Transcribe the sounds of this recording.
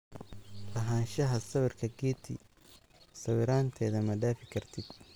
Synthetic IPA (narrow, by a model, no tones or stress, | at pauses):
lɐɦaːnʃɐɦɐsɐβɪrkʰɐɡɛːt̪ʰɪ̰ | sɐwɪɾaːnt̪ʰɛːðɐmɐɖaːfɪkʰɐrt̪ʰɪd̪̥̚